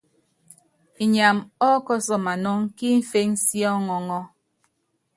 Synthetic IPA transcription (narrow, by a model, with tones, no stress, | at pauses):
i˨ɲa˨mɔ˦kɔ˦sɔ˨ma˨nɔ˦ŋki˦m̩˦fe˦ŋsjɔ˦ŋɔ˨ŋɔ˦